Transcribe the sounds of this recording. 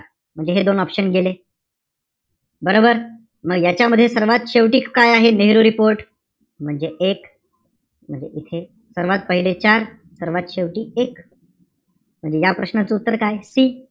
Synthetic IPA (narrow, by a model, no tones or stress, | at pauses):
m̤əɳd͡zeɦed̪onɔpɕənɡele | bəɾobəɾ | məɡjat͡ɕjaməd̪ʱjesəɾʋat̪ɕeʋʈiːkkːajaɦeneɦɾuɾipoɾʈ | m̤əɳd͡zeʔek | m̤əɳd͡zeʔit̪ʰe | səɾʋat̪̚pəɦiɭet͡ɕaɾ | səɾʋat̪ɕeʋʈiːek | m̤əɳd͡zejapɾəɕnat͡seut̪ːəɾkajsiː